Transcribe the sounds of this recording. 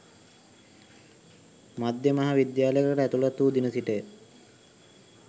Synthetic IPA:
mad̪jemaɦaʋid̪jaːlejkəɾæt̪ulat̪uːd̪inəsiʈə

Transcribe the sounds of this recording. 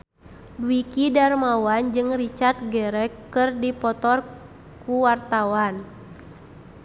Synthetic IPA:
bwikidarmawand͡ʒɨŋrit͡ʃart̪̚ɡɛɾɛkːɨrdipɔt̪ɔr | kuwart̪awan

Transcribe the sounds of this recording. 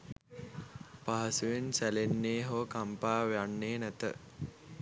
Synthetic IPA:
paɦɐsuʋensælenːeːɦokampaːʋejanːeːnæt̪ə̰

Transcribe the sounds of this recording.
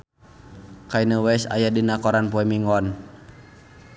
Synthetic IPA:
kainəwɛsa̰jadinakɔɾanpuɛmiŋɔn

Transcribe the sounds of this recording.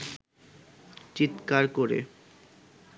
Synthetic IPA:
t͡ɕit̪kaɾkoɾḛ

